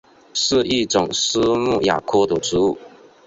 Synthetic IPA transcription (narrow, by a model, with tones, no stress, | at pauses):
ʂɻ̩˥˧i˥˩ʈ͡ʂʊ˨˩ŋs̩˥mu˥˩ja̰˨˩kʰɔ˥d̪ə˨˩ʈ͡ʂɻ̩˧˥u˥˩